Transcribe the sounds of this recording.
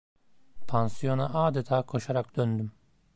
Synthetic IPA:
pʰansijo̞naʔaːd̪et̪ʰaːkʰo̞ʃaɾak̚d̪̥ønd̪ym

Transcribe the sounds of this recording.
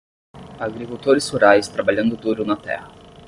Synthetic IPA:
aɡɾikuwt̪oɾɪshuɾajst̪ɾabaʎɐ̃nd̪ʊd̪uɾʊnɐt̪ɛ̰hɐ

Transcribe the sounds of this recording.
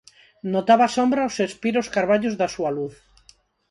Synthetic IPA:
not̪aβasombɾaosespiɾoskaɾβaʎozðasualuθ

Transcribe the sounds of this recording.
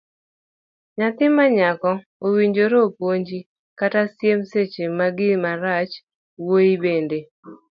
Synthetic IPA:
ɲat̪ɪmaɲakɔ | owiɲd͡ʒoɾopwoɲd͡ʒi | katasjemset͡ʃemaɡɪmaɾat͡ʃ | woibende

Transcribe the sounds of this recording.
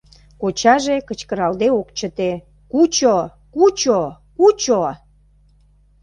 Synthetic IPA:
kot͡ɕɑʒekət͡ɕkəɾɑld̪eokt͡ɕət̪e | kut͡ɕo | kut͡ɕo | kut͡ɕo

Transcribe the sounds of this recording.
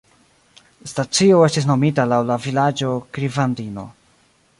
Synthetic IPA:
stat͡sio̞e̞stis̬no̞mitalawlavilad͡ʒo̞kɾivandino̞̰

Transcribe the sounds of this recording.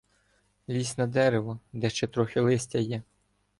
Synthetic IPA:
lʲisʲnɐd̪ɛɾeʋɔd̪ɛʃt͡ʃɛt̪ɾɔxʲɪlˠɪsʲtʲɐjɛ

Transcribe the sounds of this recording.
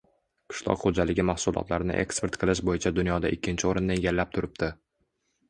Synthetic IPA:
kʰɪ̥ʃlˠɒ̰qχod͡ʒalɪɡʲɪmahsʊlˠɒ̰t̪laɾnɪ̰ʔe̞̰kspe̞ɾt̪qʰɨlˠɪʃ̬bojɪt͡ʃʰad̪ʊnjɒd̪a̰ʔɪkʲʰːɪnt͡ʃʰɪoɾɪnːaeɡʲalːap̚t̪ʰʊɾɪp̚d̪ɪ

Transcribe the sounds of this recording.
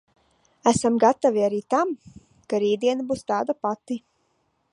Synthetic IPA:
æsamɡat̪aviaɾiːt̪am | kaɾiːd̪iɛnabuːst̪aːd̪apat̪i

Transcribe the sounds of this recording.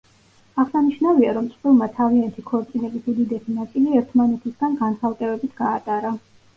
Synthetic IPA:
aʁsaniʃnaviaɾɔmt̪sʼqʼvilˠmat̪ʰaviant̪ʰikʰɔɾt̪sʼilɛbisud̪id̪ɛsʰinat̪sʼiliɛɾt̪ʰmanɛt̪ʰisɡanɡansʰalˠkʼɛbɛbit̪ʰɡ̥aːt̪ʼaɾa

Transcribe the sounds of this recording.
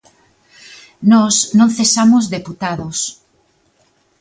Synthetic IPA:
nɔsnõnθesamozðeput̪aðos

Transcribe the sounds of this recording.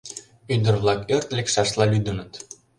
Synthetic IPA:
yd̪ə̆rβlˠɑkørt̪lʲekʃɑʃlˠɑlʲyd̪ə̆nɤ̆t̪

